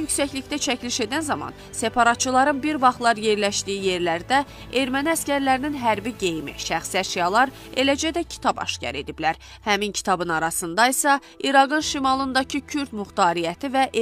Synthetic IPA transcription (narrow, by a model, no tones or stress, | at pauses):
jycsæçliçd̪æt͡ʃʰæcʰliʃe̞d̪ænzɑmɑ̰n | se̞pʰɑɾɑt̪̚t͡ʃɯlˠɑɾɯnbiɾvɑχt̪lˠɑɾje̞ɾlæʃd̪ijije̞ɾlæɾd̪æ | e̞ɾmæniæscæɾlæɾininɦæɾbiɟe̞jmḭʃæχsæɾʃijɑlˠɑɾ | e̞læd͡ʒæd̪æcʰi̥t̪ʰɑbɑ̰ʃcɑ̰ɾe̞d̪iblæɾ | hæmincʰi̥t̪ʰɑbɯnɑɾɑsɯnd̪ɑisɑ | ʔiɾɑɡɯnʃimɑlˠɯnd̪ɑcʰicʰyɾd̪muxt̪ɑːɾijæt̪ʰivæʔ